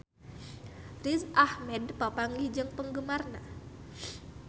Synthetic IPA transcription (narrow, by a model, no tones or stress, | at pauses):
risʔahmɛd̚papaŋɡid͡ʒɨŋpəŋɡəmarna